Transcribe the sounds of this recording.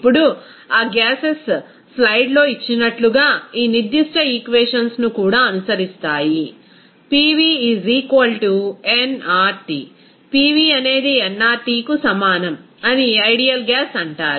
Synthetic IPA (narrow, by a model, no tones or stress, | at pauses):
pːuɽu | aːɡaːses | plɐjɖlo̞ːit͡ʃːinɐʈluɡaːiːniɾd̪ːiʂʈɐiːkʋeːʂɐnsnukuːɽaːɐnusɐɾist̪aːji | piːʋiːiːziːkʋɐlʈuenaːɾʈḭ | piːʋiːɐne̞ːd̪iɛnːaːɾʈiːkusɐmaːnɐm | ɐniɐjɖijɐlɡaːsɐɳʈaːɾu